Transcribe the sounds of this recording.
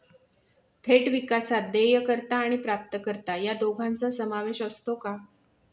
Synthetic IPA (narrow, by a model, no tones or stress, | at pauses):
t̪ʰeʈʋikasat̪̚d̪ejəkəɾt̪aːɽ̃ipɾap̚t̪əkəɾt̪ajad̪oɡʱãnt͡sasəmaʋeɕəst̪oka